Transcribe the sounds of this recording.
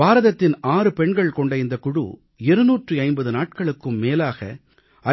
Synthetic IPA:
aːɾɐðɐt̪ːɪnaːɾɯpɛɳɡɐɭkɔɳɖɐɪnd̪ɐkʊɽṵ | ɛɾɯnuːʈrɯɐɪmbɐðɯnaːʈ̚kɐɭɯkːɯmːeːlaːɣɐ̰ | ɐ

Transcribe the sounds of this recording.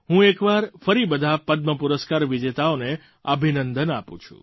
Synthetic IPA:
ɦũekʋaɾfəɾibəd̪ʱapəd̪̚məpuɾəskaɾʋid͡ʒet̪aone | əbʱinənd̪ənapṵ̃t͡ʃʰṵ̃

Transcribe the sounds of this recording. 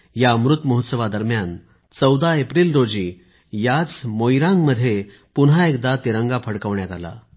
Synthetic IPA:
jamɾut̪məɦut̪səʋad̪əɾmjan | t͡səwd̪aepɾilɾod͡ʑiː | jat͡smojɾãŋməd̪ʱːje | punɦaekd̪at̪iɾəŋɡapʰəɽkəʋɳjat̪ala̰

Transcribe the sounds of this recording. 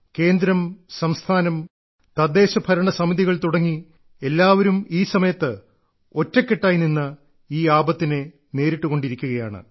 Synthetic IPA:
ke̞ːnd̪ɾɐmsɐmst̪ʰaːnɐm | t̪ɐd̪ːe̞ːɕɐbʱɐɾɐɳɐsɐmiðiɣɐɭt̪uɽɐŋːi | e̞lːaːʋɐɾumiːsɐmɐjɐt̪ːɨ | o̞tːɐkːeʈːaːjininːɐ | iːaːbɐt̪ːine | ne̞ːɾiʈːuɣo̞ɳɖiɾikʲːuɣɐja̰ːɳɨ̰

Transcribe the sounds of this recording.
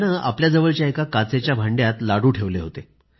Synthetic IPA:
nəa̰pljad͡zəʋəɭt͡ɕjaekakat͡set͡ɕjabʱaɳɖjat̪laɽuːʈʰeʋleɦot̪e

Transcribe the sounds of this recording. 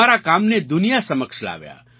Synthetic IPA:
aɾakamned̪ʊnijasəməkʃla̰ʋja̰

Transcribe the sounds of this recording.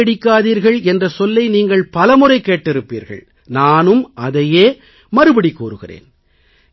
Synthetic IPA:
ɛɽɪkːaːðiːɾɣɐɭɛndrɐsɔlːɐɪniːŋɡɐɭpɐlɐmɯrɐɪkːeːʈːɪɾɯpːḭːɾɣɐ̰ɭ | naːnɯmʔɐðɐjeː | mɐɾɯbɐɽikːṵːɾɯɣɪ̰rḛːn

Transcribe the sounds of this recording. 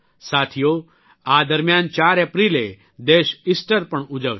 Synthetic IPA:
saːt̪ʰijo | aːd̪əɾmjaːnt͡ʃaːɾepɾiːle | d̪eːʃisʈəɾpɐɳʊd͡ʒəʋ

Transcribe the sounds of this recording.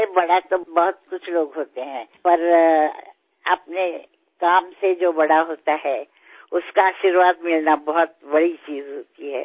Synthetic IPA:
ebɐɽat̪obɐɦʊt̪̚kʊt͡ʃʰloːɡɦoːt̪eɦɛ̃ːpɐɾ | ɐpne | kaːmsed͡ʒoːbɐɽaɦoːt̪aɦɛː | ʊskaaːʃɪɾʋaːt̪mɪlnabɐɦʊt̪̚bɐɽit͡ʃiːzɦoːt̪iɦɛ̰ː

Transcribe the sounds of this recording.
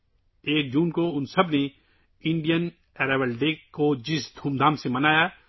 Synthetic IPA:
eːk̚d͡ʒuːnkoʊnsəbne | ɪ̃ɳɖijən | ɛːɾɛʋəlɖeːkːod͡ʒɪsd̪ʱuːmd̪ʱaːmsemənaːjaː

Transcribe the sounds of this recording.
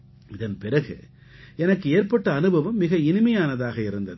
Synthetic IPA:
ɪðɐnpɪrɐɣɯ̰ | ɛnɐkːɯeːrpɐʈːɐːnɯbɐʋɐmːɪɣɐɪnɯmɐjaːnɐðaːɣɐɪɾɯnd̪ɐð

